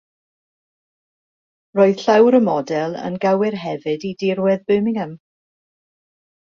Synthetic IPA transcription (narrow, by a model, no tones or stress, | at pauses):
roːɨð̥ɬawɾəmɔdɛlˠə̰nɡawɪrɦɛvɨdidɪrwɛðbɨmɪŋəm